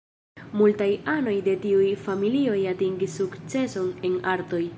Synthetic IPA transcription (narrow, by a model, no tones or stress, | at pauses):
multajano̞jde̞tiujfamilio̞jatiŋɡisːukt͡se̞so̞ne̞naɾto̞j